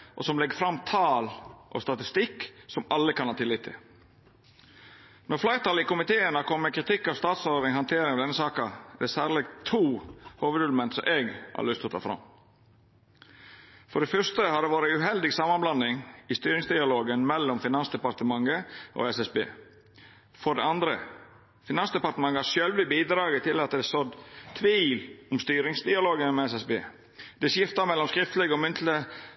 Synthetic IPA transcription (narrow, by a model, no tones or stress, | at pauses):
ʔɔ̰sɔmlɛɡəfɾɑmːt̪ʰɑːlʔɔ̰st̪ɑt̪ɪst̪ɪksɔmɑlːəkʰɑnhɑːt̪ɪlːɪt̪ʰːɪ̰ | nɔɾflæɪɾt̪ʰɑːlɪkʊmɪt̪ʰeːənɑkʰɔmːəkʰɾɪt̪ʰɪkːɑʋst̪ɑːt̪sɔd̪nɪŋhɑnt̪ʰeːɾɪŋɑʋd̪ɛnəsɑːkɑɛd̪ɛsæːɾlɛɡt̪ʰuːhoːʋəd̪ʉlmɛnt̪sɔ̰mʔeːɡhɑ̰ɾɭʏst̪ɔt̪ʰɑ̰ːfɾɑ̰m | fɔɖɛfœʂst̪əhɑd̪ɛʋɑːɾəʉɦɛld̪ɪɡsɑmɑnblɑnɪŋɪst̪yːɾɪŋsd̪ɪɑloːɡənmɛlːɔmfɪnɑnsd̪ɛpɑɾt̪əmɑŋːəʔo̰ːɛsɛsbḛː | fɔɖɛɑnd̪ɾə | fɪnɑnsd̪ɛpɑɾt̪əmɑŋːəhɑʃjøːlʋɪbiːd̪ɾɑːɡət̪ʰːɪlɑt̪d̪ɛsɔd̪t̪ʰʋiːlɔmst̪yːɾɪŋsd̪ɪɑloːɡənmɛɛsɛsbeː | d̪ɛsjɪft̪ɑmɛlːɔmskɾɪft̪əlɛɡɔmʏnt̪ʰlə